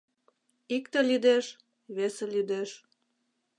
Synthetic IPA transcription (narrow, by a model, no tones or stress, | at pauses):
ikt̪elyd̪eʃ | βeselyd̪eʃ